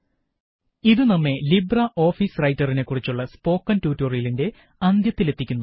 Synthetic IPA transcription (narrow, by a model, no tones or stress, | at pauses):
iðunɐmːe̞librɐʔo̞ːfiːsrɐjtːɐrine̞kːurit͡ɕːuɭːɐspo̞ːkːɐntuːtːorijilinde̞ | ɐnd̪jɐt̪ːile̞t̪ːikʲːunːu